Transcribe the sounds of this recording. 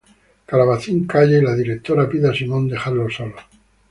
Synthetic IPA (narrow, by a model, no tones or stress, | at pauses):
kalaβaθiŋkaʝelaðiɾek̚t̪oɾapiðasimõ̞nd̪e̞χaɾlo̞solo